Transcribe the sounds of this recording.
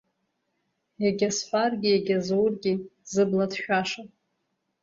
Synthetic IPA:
jaɡʲasħʷarɡʲijaɡʲazowrɡʲizɨbladʃᶣaʂa

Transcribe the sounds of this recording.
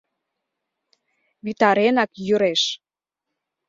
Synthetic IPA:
βit̪ɑɾenɑkjyɾeʃ

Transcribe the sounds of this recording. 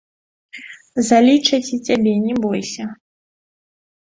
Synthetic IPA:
zalʲit͡ʂɐt͡sʲit͡sʲabʲɛnʲɛbɔjsʲɐ

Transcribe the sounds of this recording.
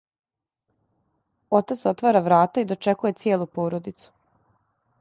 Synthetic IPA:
ot̪at̪so̞t̪ʋaɾaʋɾaːt̪aid̪o̞t͡ʃekuje̞t̪sjeːlˠupoːɾo̞d̪it̪su̥

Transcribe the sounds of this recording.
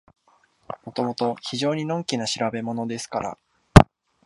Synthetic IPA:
mo̞t̪o̞mo̞t̪o̞çiʑo̞ːɲ̟inõ̞ŋkʲinaɕiɾabe̞mo̞no̞d̪e̞sɨ̥kaɾa̰

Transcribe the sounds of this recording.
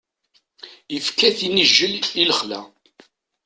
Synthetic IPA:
əfkːæθinəʒːəliləχlæ̰

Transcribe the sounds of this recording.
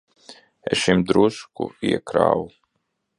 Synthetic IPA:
eɛ̰sʃimd̪ɾuskṵiɛkɾa̰ːwu

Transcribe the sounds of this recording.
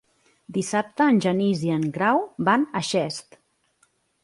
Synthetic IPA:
d̪isap̚t̪əːnʲʒəniziəŋɡɾawbanəʃɛst̪

